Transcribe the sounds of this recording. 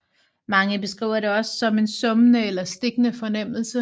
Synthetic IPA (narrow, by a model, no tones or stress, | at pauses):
mɑ̈ŋəbe̝sɡ̥ʁḭːʊ̰ɐɾe̝ɒ̽sːɒ̽me̝nsɔ̽mənəelɐsd̥e̝ɡ̥nəfɒ̽nem̰l̩sə